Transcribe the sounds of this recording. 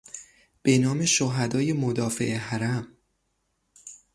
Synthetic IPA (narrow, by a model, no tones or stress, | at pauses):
b̥e̞nɒːmeʃoɦæd̪ɒːje̞mod̪ɒːfeʔeɦæɾæm